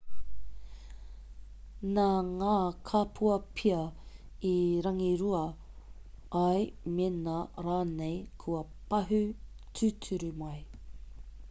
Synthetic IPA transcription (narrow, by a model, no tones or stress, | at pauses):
naŋaːkʰapʰuɐpʰiɐ | iɾɐŋiɾuɐ | ɐjmenaɾaːnejkʰuɐpɐɦʉtʰʉtʰʉɾʉmɐj